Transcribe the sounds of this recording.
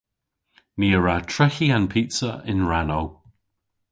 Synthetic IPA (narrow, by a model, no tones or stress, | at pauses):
niəɹatʰɹ̥ɛxiãnpʰitsəʔɪ̰̃nɹanow